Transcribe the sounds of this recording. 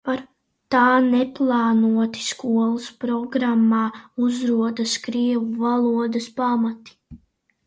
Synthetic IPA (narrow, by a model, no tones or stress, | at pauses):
paɾ | t̪aːnɛplˠaːnuɔt̪i̥skuɔlˠaspɾɔɡɾamːɑːuzɾuɔd̪askɾiɛvuvalˠuɔd̪ɐspamat̪i̥